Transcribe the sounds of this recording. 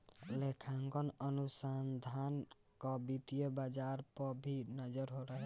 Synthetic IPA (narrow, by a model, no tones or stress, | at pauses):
lekʰaŋɡɔnənusand̪ʱan | kɔbit̪ijəbad͡ʒaɾpɔbʱinəd͡ʒəɾɦoɾəɦɛ